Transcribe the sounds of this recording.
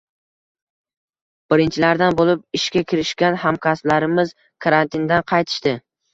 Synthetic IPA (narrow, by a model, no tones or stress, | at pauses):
b̥ɪɾɪnt͡ʃʰɪlaɾd̪anbolˠɪp̚ɪʃkʲakʲʰɪɾɪʃkʲanhamkʰʲaslaɾɪmɪz | kʰaɾant̪ʰɪnd̪anqʰɑjt̪ʰɪ̥ʃt̪ɪ